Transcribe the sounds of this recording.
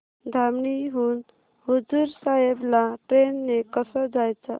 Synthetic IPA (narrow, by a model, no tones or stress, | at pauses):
d̪ʱamɳiɦun | ɦud͡zuɾsaɦeblaʈɾenːekəsəd͡ʒajt͡ʃʰə